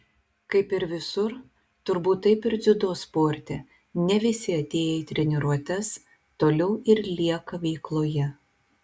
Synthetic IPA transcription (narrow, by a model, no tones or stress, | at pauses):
kɐɪpɪɾʋʲɪsʊɾ | t̪ʊɾbuːt̪ːɐɪpɪɾd̪zʲʊd̪oːspoːɾʲt̪ʲɛ | nʲɛʋʲɪsʲɪɐt̪ʲeːjɛit̪ʲɾʲɛnʲɪɾuɔt̪ʲɛs | t̪oːlʲɛʊɪɾlʲiɛkɐʋʲɛɪklˠoːjɛ